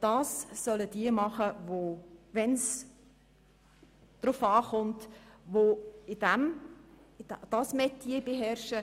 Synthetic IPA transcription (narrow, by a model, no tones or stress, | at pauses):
d̥ɑːsːœlədiəmɑχəvoʋɛns | d̥rʊfɑːχʊntvoɪdæm | dd̥ɑsmɛtːiəbeɦɛɾʃə